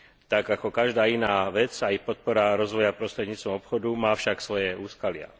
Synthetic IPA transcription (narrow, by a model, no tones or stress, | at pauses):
t̪aɡakɔkaʒd̪aːinaːʋɛt͡saixpɔt̪̚pɔɾaɾɔzʋɔjapɾɔst̪ɾɛd̪ɲiːt͡st̪ʋɔmɔpxɔd̪umaːfʃaksʋɔjɛuːskalɪa̰